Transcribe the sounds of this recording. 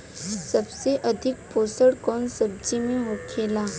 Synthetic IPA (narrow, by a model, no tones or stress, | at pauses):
sɐbseʔɐd̪ʱɪk̚poːsəɽkɔːnsɐb̚d͡ʒimẽɦoːkʰeːlaː